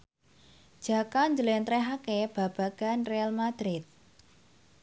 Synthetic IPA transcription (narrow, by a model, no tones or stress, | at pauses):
d̥ʒ̥ä̤kaɲd͡ʒəlɛnt̪ɾɛɦakeb̥a̤b̥ä̤ɡ̥a̤nrealmad̪̥ɾɪt̪̚